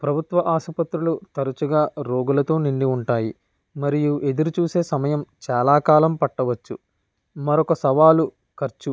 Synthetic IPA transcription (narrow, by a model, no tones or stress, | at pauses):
pɾɐbʱut̪ʋɐʔaːʃɐpɐt̪ɾulut̪ɐɾut͡ʃuɡaːɾo̞ːɡulɐt̪o̞ːniɳɖiuɳʈaːji | mɐɾijuʔe̞d̪uɾut͡ʃuːse̞ːsɐmɐjɐmt͡ʃaːlaːkaːlɐmpɐʈːɐʋɐt͡ʃːṵ | mɐɾɔkɐsɐʋaːlu | kɐɾt͡ʃu